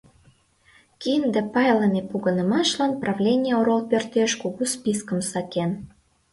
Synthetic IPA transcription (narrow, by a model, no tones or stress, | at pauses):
kind̪ĕpɑjləmʲepuɣənəmɑʃlɑnprʔɑvlʲenʲijəoɾolpørt̪eʃkuɣuspiskə̆msɑken